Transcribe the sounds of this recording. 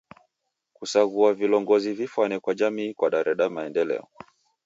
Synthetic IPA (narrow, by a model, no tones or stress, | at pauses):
kusaɣuavilɔŋɡɔzivifwanɛkwad͡ʒamiːkwaɗaɾɛɗamaɛndɛlɛ̰ɔ̰